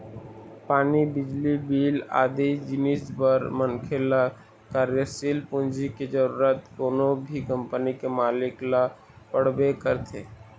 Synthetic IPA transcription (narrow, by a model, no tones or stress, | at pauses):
paːnibɪd͡ʒlibiːla̰ːd̪ed͡ʒɪnisbəɾmənkʰela | kaːɾjəsiːlpʊ̃nd͡ʒiked͡ʒəɾuːɾət̪koːnobʱikə̃mpənikemaːlɪkla | pəɽ̤bekəɾt̪ʰeː